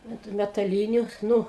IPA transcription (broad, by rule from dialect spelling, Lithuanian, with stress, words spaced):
ɐnt mʲɛtɐˈlʲiːnʲʊ ˈnʊ